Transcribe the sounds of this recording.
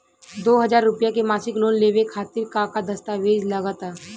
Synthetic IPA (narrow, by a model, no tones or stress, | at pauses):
d̪oːɦɐd͡ʒaːɾːʊpjakemaːsɪkloːnleːʋekʰaːt̪ɪɾkakad̪ɐst̪aːʋeːd͡ʒlɐɡət̪aː